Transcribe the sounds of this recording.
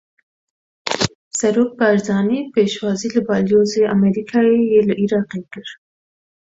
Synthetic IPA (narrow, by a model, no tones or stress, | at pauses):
saɾok̚baɾd̪ɑnipeʃwɑzilabɑljozeameɾikʰɑejelaʔiɾɑqekəɾ